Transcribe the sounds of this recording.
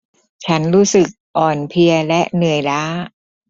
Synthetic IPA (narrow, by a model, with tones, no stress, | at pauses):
t͡ɕʰa˦˥nɾuː˦˥sɯ˨˩k̚ʔɔː˨˩npʰi˧ɐlɛ˦˥ʔnɯ˨˩əjlaː˦˥